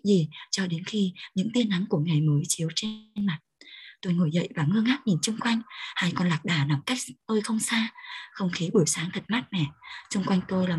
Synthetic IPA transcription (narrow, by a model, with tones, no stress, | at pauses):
zi˨˩t͡ɕɔ˧ɗe˨˦nxi˧ɲɨ̰˧˥ŋt̪i˧ənʔa˨˦ŋku˧˩əŋa˨˩jməː˨˦jt͡ɕi˨˦əwt͡ɕe˧nma˨˩t̚t̪o˧jŋo˧˩jzə̰˧˨jvaː˨˩ŋɨ˧əŋʔaː˦˥t̚ɲi˨˩nt͡ɕʊ˧ŋ͡mkwa˧jŋ̟ha˧jkɔ˧nlaː˨˩k̚ɗaː˨˩na˨˩mka˦˥jk̚t̪o˧jxə˧wŋ͡msaː˧xə˧wŋ͡mxi˨˦ɓɨ˧˩əjsaː˨˦ŋt̪ʰə˨˩t̚ma˦˥t̚mɛ̰˨˩t͡ɕʊ˧ŋ͡mkwa˧jŋ̟t̪o˧jlaː˨˩